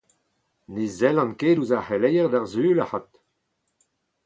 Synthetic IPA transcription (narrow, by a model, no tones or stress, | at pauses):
nezɛlɑ̃nkeːduzahelɛjəʁd̪aʁzyːlahat̪